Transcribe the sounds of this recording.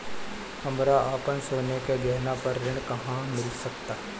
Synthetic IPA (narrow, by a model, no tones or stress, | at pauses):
hɐmɾaʔaːpənsoːnekeɡɛɦnapɐɾɾɪ̃ɳkɐɦãmɪlsɐkt̪aːɦɛ